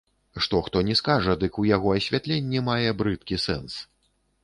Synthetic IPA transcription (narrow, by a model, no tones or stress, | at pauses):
ʂt̪ɔxt̪ɔnʲɛskaʐɐd̪ɨkujaɣɔɐsʲvʲat̪lʲenʲːimajɛbɾɨt̪kʲisɛ̰ns